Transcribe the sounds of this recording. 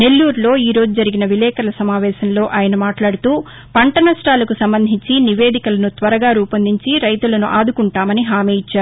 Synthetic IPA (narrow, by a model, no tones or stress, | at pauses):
ne̞lːuːɾlo̞ːiːɾo̞ːd͡ʒud͡ʒɐɾiɡinɐʋilɛːkɐlɐsɐmaːʋɛːʃɐnlo̞ːʔaːjɐnɐmaːʈlaːɽut̪uː | pɐɳʈɐnɐsʈaːlɐkusɐmbɐnd̪ʱiɲt͡ʃiniʋe̞ːd̪ikɐlɐnut̪ʋɐɾɐɡaːɾuːpɐnd̪ʱiɲt͡ʃiɾɐjt̪ulɐnuʔaːd̪ukuɳʈaːmɐniɦaːmiːjit͡ʃːaːɾu